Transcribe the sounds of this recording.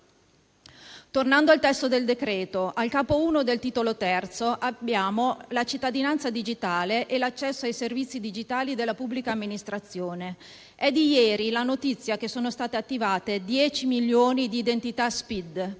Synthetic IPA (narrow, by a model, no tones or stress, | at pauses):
t̪ornand̪oalt̪ɛst̪od̪eld̪ekɾɛːt̪oʔalkaːpouːnod̪elt̪iːt̪olot̪ɛrt̪soʔabːjaːmolat͡ʃit̪ːad̪inant̪sad̪id͡ʒit̪aːleʔelat͡ʃːɛsːoajservit̪sːid̪id͡ʒit̪aːlid̪elːapubːlikaːmːinist̪ɾat̪sːjoːne | ɛd̪ijɛːɾilanot̪it̪sːjak̟esːoːnost̪aːt̪eat̪ːivaːt̪ed̪jɛːt͡ʃimiljoːnid̪iːd̪ent̪it̪aspid̪